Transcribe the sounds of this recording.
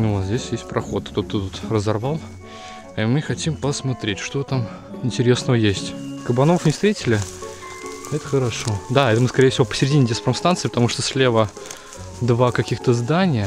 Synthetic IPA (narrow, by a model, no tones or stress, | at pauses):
nʊvot̪zdʲesʲjesʲtʲpɾʔɐxo̞t̪t̪ot̪ːət̪ut̪rəzɐrvalˠ | imɨxɐtʲimpəsmɐt̪ɾʲetʲʂt̪ot̪am | ɪnʲtʲɪɾʲe̞snəvəjesʲtʲkəbɐno̞fnʲɪst̪ɾʲetʲɪlʲɪ | ɛt̪ə̥xəɾɐʂo̞d̪aɛt̪əmɨskɐɾʲejəfʲsʲɪvo̞pə̥sʲɪɾʲɪdʲinʲɪdʲespɾəmst̪ant̪sɨːpət̪ɐmuʂt̪osʲlʲe̞və | d̪vakɐkʲixt̪əzd̪anʲɪjə